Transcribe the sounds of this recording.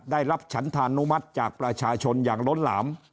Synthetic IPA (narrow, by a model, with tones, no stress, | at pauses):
daː˥˩jɾa˦˥p̚t͡ɕʰa˦˥nt̪ʰaː˧nːu˦˥ma˦˥t̪̚t͡ɕaː˨˩k̚pɾa˧t͡ɕʰaː˧t͡ɕʰo˧njaː˨˩ŋlo˦˥nla̰ː˩˦m